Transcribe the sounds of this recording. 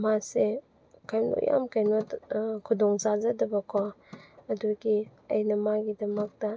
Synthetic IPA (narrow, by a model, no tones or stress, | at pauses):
mase | kʰajmlṵjʔa̰mkʰajnɔtkʰudɔŋzazadɐbɐkʰɔɐduɡiɐjnɐmaɡidɐmɐk̚d̥ɐ